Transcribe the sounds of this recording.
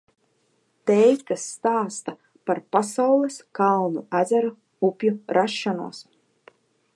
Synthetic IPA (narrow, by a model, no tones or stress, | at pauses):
t̪ɛjt̪asːt̪aːst̪a | paɾpasawlˠɛskalˠnuæd̪zæɾa | upʲjuɾʔaʃːanṵɔs